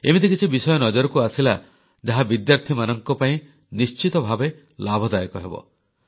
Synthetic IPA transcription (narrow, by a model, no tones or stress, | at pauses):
emid̪ʱikit͡ʃʰibisɔjɔnɔd͡ʒɔɾɔkuasila | d͡ʒaɦabid̪jaɾt̪ʰimanɔŋkɔpaĩ | nist͡ʃit̪ɔbʱabe | labʱɔd̪ajɔkɔɦebɔ̰